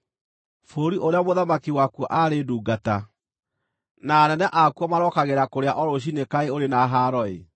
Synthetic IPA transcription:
foɾiʔoɾeamoðamakiwakwɔʔaɾeduːɡata | naːnɛnɛʔakuɔmaɾɔkaɣeɾakoɾeaʔɔɾoɕ̬inekaeoɾenaɦaɾɔḛ

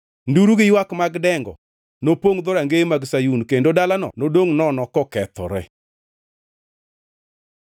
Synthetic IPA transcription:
nduɾuɡɪjwakmaɡdɛŋɡɔ̰ | nopoŋd̪oɾaŋɡemaɡsajunkendodalanɔ̰nodoŋnɔnɔkɔkɛt̪ɔ̰ɾɛ̰

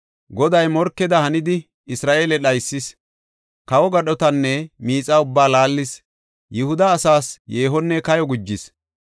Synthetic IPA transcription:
ɡɔd̪ɐjmɔɾkːɛd̪ɐhɐnɪd̪ɪ | ɪsɾaːʔeːlɛɗɐjsːɪs | kɐwɔɡɐɗɔt̪ɐnːɛmiːt͡sʼɐʊbːaːlaːlːɪs | jʔɪhʊd̪ɐːsaːsjeːɦɔnːɛkɐjɔɡʊd͡ʒːɪs

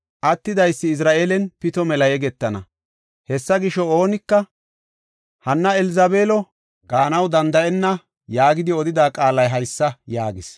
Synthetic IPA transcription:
ʔɐt̪ːɪd̪ɐjsːɪːs̬ɾaːʔeːlɛnpɪt̪ɔmɛlɐjɛɡɛt̪ːɐnɐ̰ | hɛsːɐɡɪʃɔo̞ːnɪkːɐ | hɐnːɐɛlɪzɐbeːlɔ | ɡaːnɐwd̪ɐnd̪ɐʔɛnːɐ | jaːɡɪd̪ɪɔd̪ɪd̪aːkʼaːlɐjɦɐjsːɐjaːɡɪs

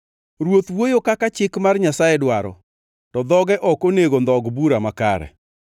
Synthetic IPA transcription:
ɾwot̪wojokakat͡ʃɪkmarɲasaɛdwaɾɔ̰ | tɔd̪ɔɡɛʔɔkoneɡond̪ɔɡbuɾamaka̰ɾɛ̰

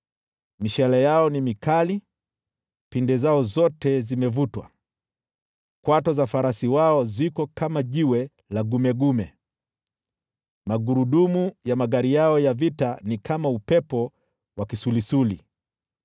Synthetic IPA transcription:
miʃɛlɛjaɔnimikali | pindɛzaɔzɔtɛzimɛvutwa̰ | kwatɔzafaɾasiwaɔzikɔkamaʄiwɛ | laɡumɛɡumɛ | maɡuɾuɗumujamaɠaɾijaɔjavitanikʰamaupɛpɔ | wakisulisuli

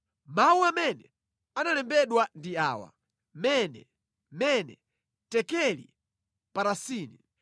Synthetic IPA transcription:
mawuamɛnɛ | analɛmbɛɗwandiaːwa̰ | mɛnɛ̰ | mɛnɛ | tɛkɛlḭ | paɾasiːni

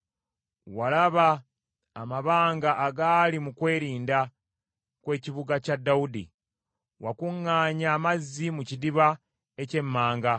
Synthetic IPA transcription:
walaβaː | maβaːŋɡaʔːɡalimukwe̞ːɾiːnda | kwe̞ːciβuɡacadːawudḭ | wakuŋːaːɲaːmazːimucidiβa | e̞ce̞mːaːŋɡa

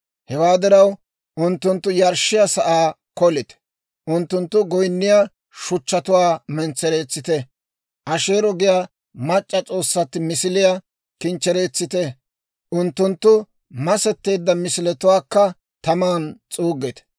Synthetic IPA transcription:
hɛwaːd̪ɪɾɐw | ʔʊnt̪ːʊnt̪ːʊjɐɾʃɪjɐsɐʔaː | kɔlɪt̪ɛ̥ | ʔʊnt̪ːʊnt̪ːʊɡɔjnːɪja | ʃʊt͡ʃːɐt̪ʊwaːmɛnt͡sːɛɾe̞ːt͡sːɪt̪ɛ | ʔɐʃe̞ːɾɔɡɪja | mɐt͡ʃʼːɐt͡sʼo̞ːsːɐt̪ːɪmɪsɪlɪja | kɪnt͡ʃːɛɾe̞ːt͡sːɪt̪ɛ | ʔʊnt̪ːʊnt̪ːʊ | mɐsɛt̪ːe̞ːd̪ːɐmɪsɪlɛt̪ʊwaːkːɐ | t̪ɐmaːnt͡sʼuːɡːɛt̪ɛ̥

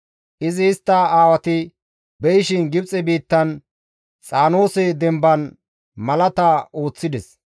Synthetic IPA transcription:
ʔɪzɪːst̪ːɐaːwɐt̪ɪ | bɛjɪʃɪnɡɪbt͡sʼɛbiːt̪ːɐn | t͡sʼaːno̞ːsɛd̪ɛmbɐn | mɐlɐt̪ɐo̞ːt͡sːɪd̪ɛs

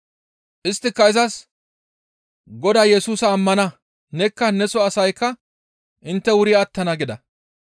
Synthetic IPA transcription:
ʔɪst̪ːɪkːɐɪzɐs | ɡɔd̪ɐːjɛsuːsɐːmːɐnɐ | nɛkːɐnɛsɔɐsɐjkːɐ | ʔɪnt̪ːɛwʊɾɪjɐːt̪ːɐnɐɡɪd̪ɐ

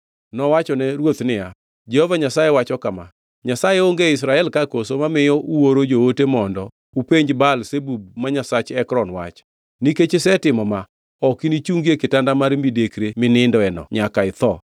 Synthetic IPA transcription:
nɔwat͡ʃɔnɛɾwot̪nɪja | d͡ʒɛhovaɲasajewat͡ʃɔkama̰ | ɲasajeoŋɡeis̬ɾaɛlkakosomamɪjɔuwoɾod͡ʒootemɔndɔ | upeɲd͡ʒbalsebub̚maɲasat͡ʃɛkɾɔnwa̰t͡ʃ | niket͡ʃesɛtɪmɔma | ɔkinit͡ʃuŋɡiekɪtandamaɾmidekɾemɪnɪndɔɛnɔ̰ɲakaɪt̪ɔ

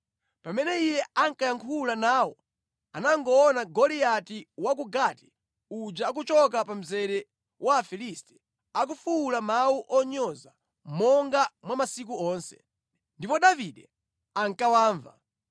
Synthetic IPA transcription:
pamɛnɛijɛaŋkajaŋkʰulanaːwɔ | anaŋɡɔɔnaɡɔlijatiwak̬uɡati̥ | ud͡ʒaːk̬ut͡ʃɔk̬apam̩zɛɾɛ | waːfilistɛ̥ | ak̬ufuːlamauʔɔɲɔza | mɔŋɡamwamasik̬uɔːnsɛ̥̰ | ndipɔɗaviɗɛ | aŋkawaːɱva̰

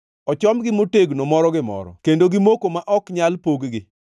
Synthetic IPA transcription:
ɔt͡ʃɔmɡɪmoteɡnomɔɾɔɡɪmɔ̰ɾɔ̰kendoɡɪmokomaʔɔkɲalpoɡɡɪ

